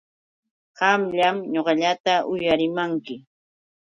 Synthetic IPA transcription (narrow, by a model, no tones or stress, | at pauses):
ɢɑmʎamɲoɢɑʎat̪aʔʊjaɾɪmaŋkɪ